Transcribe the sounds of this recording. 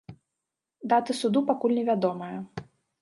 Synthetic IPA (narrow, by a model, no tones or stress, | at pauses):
d̪at̪ɨsud̪upakulʲnʲɛvʲad̪ɔmɐjɐ